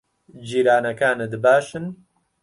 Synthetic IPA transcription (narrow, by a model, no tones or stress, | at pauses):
d͡ʒiːɾaːnɐkaːnɨd̪ɨbaːʃɨn